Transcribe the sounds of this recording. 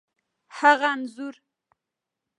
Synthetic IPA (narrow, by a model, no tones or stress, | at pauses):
haɣanzʊɾ